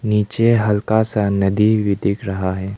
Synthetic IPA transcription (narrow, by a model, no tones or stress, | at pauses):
niːt͡ʃeɦɐlkasanɐd̪ʱiʋɪd̪ɪkɾɐɦaɦɛː